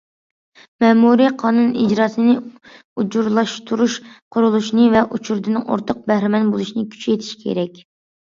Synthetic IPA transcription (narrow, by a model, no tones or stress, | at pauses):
mɛːmuɾiqʰɑːnunid͡ʒɾɑːsɨnɪ | ud͡ʒuɾlˠɑʃt̪ʰuɾuʃqʰʊɾulˠuʃnɨvɛʔut͡ʃʰuɾd̪ɨnɨŋo̰ɾt̪ʰoq̚bɛhɾɪmɛnbolˠuʃinɨkʲʰy̥t͡ʃet̪ʰi̥ʃkʲʰḛɾɛkʲ